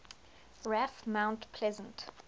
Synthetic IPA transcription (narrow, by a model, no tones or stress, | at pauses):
ɹæfmãʊ̃ntpʰlɛzə̃nt